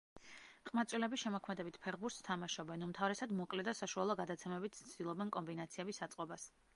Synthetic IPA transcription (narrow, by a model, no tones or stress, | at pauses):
qʼmat̪sʼwilɛbisʃɛmɔkʰmɛd̪ɛbit̪ʰpʰɛʁbuɾt̪st̪ʰamaʃɔbɛnumt̪ʰavɾɛsad̪mɔkʼlɛd̪asaʃualˠɔɡad̪at̪sʰɛmɛbit̪ʰt̪sʰd̪̥ilˠɔbɛnkʼɔmbinat̪sʰiɛbisːat̪sʼqʼɔbas